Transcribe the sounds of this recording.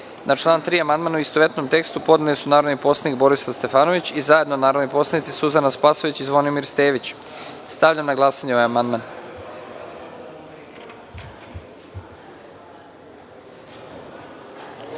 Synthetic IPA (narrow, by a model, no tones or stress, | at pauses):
nʔat͡ʃlˠaːnt̪ɾiːamand̪manauist̪oʋe̞t̪nomt̪e̞kst̪upo̞d̪nelisunaːɾo̞d̪nipo̞slˠanikbo̞ɾisast̪e̞fano̞ʋit͡ɕizaje̞d̪nonaːɾod̪nipo̞slanit̪sisuzanaspasoʋit͡ɕizʋo̞nimiɾst̪eːʋit͡ɕ | st̪aʋʎamnaɡlˠaːsaɲeo̞ʋajamand̪man